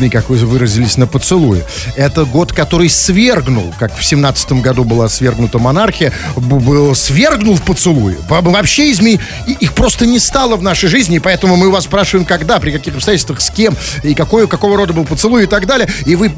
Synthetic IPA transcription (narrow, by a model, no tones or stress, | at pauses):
mʲijkakvɨvɨɾəzʲɪlʲɪsʲnəpət̪sɨlˠujɪ̰ | ɛt̪əɡo̞t̪kɐt̪o̞ɾɨjsvʲe̞rɡnʊ̰lˠkakfsʲɪmnat̪sə̥t̪əmɡɐd̪ubɨlˠasvʲe̞rɡnʊt̪əmɐnarxʲɪjəbɨlˠsvʲe̞rɡnʊlˠfpət̪sɨlˠujʊ̰vɐvɐpɕːeɪzʲmʲij | ixpɾo̞st̪ənʲɪst̪alˠəvnaʂəjʐɨzʲnʲɪːpɐɛt̪əmʊmɨvaspɾaʂɨvəjɪmkɐɡd̪apɾʲɪkɐkʲixɐpst̪ɐjætʲɪlʲst̪və̥xskʲe̞mɪkɐko̞jʊkɐko̞vəɾo̞d̪əbɨlˠp̬ət̪sɨlˠujɪt̪aɡd̪alʲɪjəɪvɨ